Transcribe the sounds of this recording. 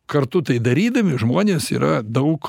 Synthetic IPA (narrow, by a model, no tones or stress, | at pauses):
kɐrt̪ʊt̪ɐɪd̪ɐɾʲiːd̪ɐmʲɪʒmoːnʲeːsḭːɾɐd̪ɐʊk